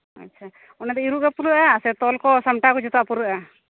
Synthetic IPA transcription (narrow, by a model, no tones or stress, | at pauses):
a̰tːt͡ʃʰa | ɔnɛd̪ɛiɾuʔkapuɾuʔaːsɛt̪ɔlkɔsamʈakɔd͡ʒɔt̪ɔʔapuɾuʔa